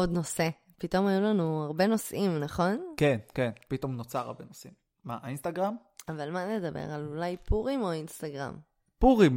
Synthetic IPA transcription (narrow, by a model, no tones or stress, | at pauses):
o̞d̪no̞se̞ | pito̞majulanuaʁbe̞no̞sʔimnaχo̞nkenkenpito̞mno̞t͡saʁa̰benosimː | aainstaɡʁam | avalmaned̪abḛʁalulajpʰuʁimo̞instaɡʁa̰m | puʁim